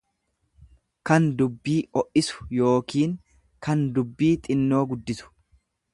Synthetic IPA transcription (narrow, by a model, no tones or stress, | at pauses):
kɐnd̪ʊbːiːɔʔɪsʊ̥jo̞ːkiːŋ | kɐnd̪ʊbːiːt̪ʼɪnːoːɡʊd̪ːɪsʊ̥